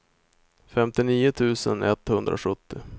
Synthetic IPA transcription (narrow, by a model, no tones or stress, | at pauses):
fɛmt̪ɪniːʊt̪ʰʉ̟ːsə̰nɛt̪hɵnd̪ɾʔa̰ɧɵt̪ːɪ